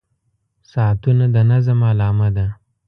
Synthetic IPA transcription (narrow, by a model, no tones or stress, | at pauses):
sɑt̪unad̪anazamalɑːmad̪a